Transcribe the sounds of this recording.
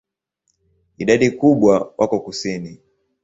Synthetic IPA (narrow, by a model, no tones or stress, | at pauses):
iɗaɗikuɓwawʔakɔkusini